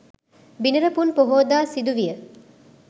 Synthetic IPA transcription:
binɐɾɐpunpoɦoːd̪aːsid̪uʋijə

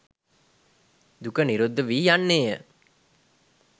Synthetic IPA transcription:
d̪ukəniɾud̪ːəʋiːjanːeːjə

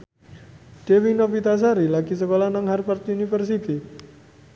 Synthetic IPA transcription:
d̥ewinopit̪as̬aɾilaɡ̥isəkolanaŋharpart̪unifərsit̪i

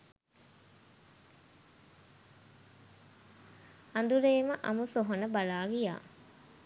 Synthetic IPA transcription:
and̪uɾeːməʔa̰musoɦonəbalaːɡija̰ː

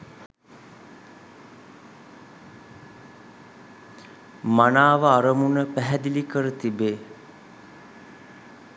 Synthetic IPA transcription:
manaːʋəaɾəmunəpæɦɛd̪ilikəɾət̪ibeː

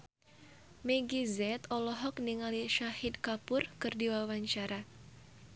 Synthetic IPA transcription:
meɡizɛt̪ɔlɔɦɔkniŋaliʃahid̪̚kapʊrkɨrdiwawaɲt͡ʃaɾa

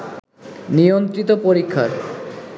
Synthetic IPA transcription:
nijont̪ɾit̪opoɾikʰːaɾ

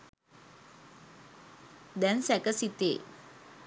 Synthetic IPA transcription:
d̪ɛnsɛkəsit̪ḛ

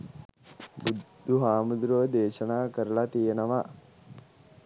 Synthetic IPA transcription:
bud̪ʱːuɦaːmud̪ɾoːd̪eːʃɐnaːkɐɾɐlɐt̪ijɐnɐʋɐ

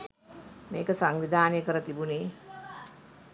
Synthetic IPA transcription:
meːkəsaŋʋid̪ʱaːnjəkəɾət̪ibuniː

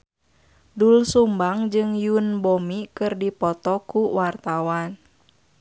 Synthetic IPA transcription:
dulsumbaŋd͡ʒɨŋjunbomikɨrdipɔt̪ɔkuwart̪awan

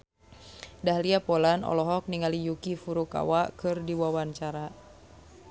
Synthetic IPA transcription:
dahliapɔlanɔ̰lɔɦɔk̚niŋalijukifuɾuka̰wakɨrdiwawaɲt͡ʃaɾa

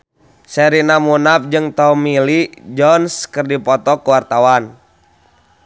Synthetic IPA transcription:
sɛɾinamunap̚d͡ʒɨŋt̪ɔmilid͡ʒɔnskɨrdipɔt̪ɔkuwart̪awan

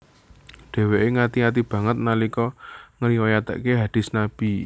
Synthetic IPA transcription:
ɖ̥ɛ̤weʔeŋat̪iŋat̪̬ib̥ä̤ŋət̪̚nalikɔŋəɾiwojat̪ə̰ʔkeɦad̥ɪ̤snab̥i

